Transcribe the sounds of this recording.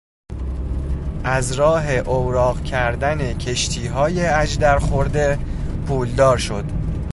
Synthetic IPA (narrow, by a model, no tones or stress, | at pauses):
ʔæzɾɒːɦe̞ʔowɾɒːɣcʰæɾd̪æne̞cʰe̞ʃt̪ʰiːɦɒːjeæd͡ʒd̪æɾxoɾd̪e̞pʰuːld̪ɒːɾʃo̞d̪̥